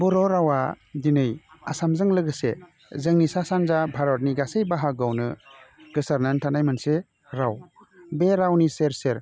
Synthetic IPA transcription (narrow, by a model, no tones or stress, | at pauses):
bɔɾɔɾawa | dinɯjasamzɯŋlɯɡɯse | zɯŋnisasanzabʱaɾɔt̚niɡasejbaɦaɡawnɯɡ̥ɯsaɾnantʰanajmɯnse | ɾaw | beɾawniseɾseɾ